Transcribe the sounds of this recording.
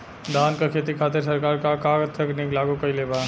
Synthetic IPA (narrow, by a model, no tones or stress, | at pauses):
d̪ankekʰet̪̬ikʰat̪eɾs̬əɾkaɾkaɾkaɡət̪ʰːəkniklaɡukəjleba